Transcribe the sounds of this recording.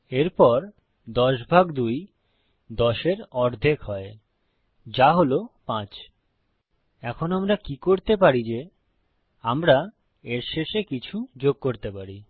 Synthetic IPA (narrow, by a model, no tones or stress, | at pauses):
eɾpɔɾ | d̪ɔʃbʱaɡd̪uj | d̪ɔʃeɾɔɾd̪ʱekɦɔe | d͡ʑaɦolopãt͡ɕ | ɛkʰonamɾakikoɾt̪ep̬aɾid͡ʑe | amɾa | eɾʃeʃekit͡ɕʰud͡ʑoɡ̚koɾt̪epaɾi